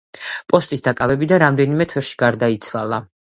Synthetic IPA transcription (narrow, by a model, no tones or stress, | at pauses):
pʼɔst̪ʼisd̪akʼavɛbid̪anɾamd̪ɛnimɛt̪ʰɛɾʃi̥ɡaɾd̪ait̪sʰwalˠa